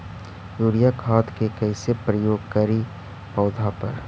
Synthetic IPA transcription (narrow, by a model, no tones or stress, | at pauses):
juːɾijakʰaːt̪kekɛɪsepɾəjoːɡkɐɾi | pɔːd̪ʱapɐ̰ɾ